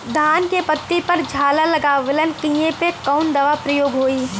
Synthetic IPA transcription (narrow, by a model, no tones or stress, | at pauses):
d̪ʱaːnkepɐt̪ːipɐɾd͡ʒʱaːlalɐɡaːʋɪlənkĩjepekɐʊnd̪ɐʋapɾɐjoːɡɦoːiː